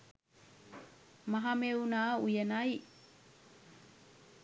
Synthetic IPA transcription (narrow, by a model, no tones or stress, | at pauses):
maɦamewnaujənaj